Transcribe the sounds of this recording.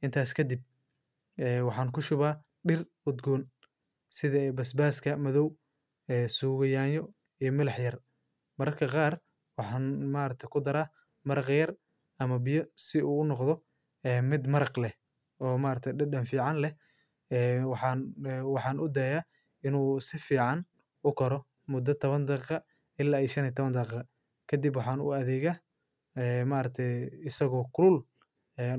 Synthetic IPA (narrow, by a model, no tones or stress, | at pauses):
ʔɪnt̪ʰaːskʰɐd̪ɪb̚ | ɛːwɑħɑːŋkʰʊʃʊβaː | ɖɪr | ʊd̪ɡɔːn | sɪðɐɛbɐsbaːskʰɐmɐðɔw | ɛːsuːɣɐjaːnjɔ | ijɔmɪlɑħjɐr | mɐɾɐrkʰɐqɑːr | wɑħɑːnmaːɾɐk̚t̪ʰɐjkʰʊd̪ɐɾaː | mɐɾɑqjɐr | ʔɐmɐbɪjɔsɪʔuːʊnɔqðɔ | ɛːmɪd̪mɐɾɑqlɛ | ɔːmaːɾɐk̚t̪ʰɛjɖɐɖɐnfiːʕɑnlɛ | ɛːwɑħɑnwɑħɑːnʔʊd̪ɐja | ɪnuːsɪfiːʕɑn | ʊkʰɔɾɔ | mʊd̪ːɐt̪ʰɔβɐnd̪ɑqɑ | ɪlːaːiːʃɐniːt̪ʰɔβɐnd̪ɐqɑ | kʰɐd̪ibwɑħɑnʊ̰ɐðɛːɣaː | ɛːmaːɾɐk̚t̪ʰɛjɪsɐɣɔːkʰʊlʊl | ɛ